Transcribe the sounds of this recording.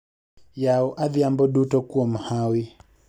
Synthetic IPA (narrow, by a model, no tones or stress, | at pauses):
jaɔʔaðiambɔɗutɔkuɔm̩hawi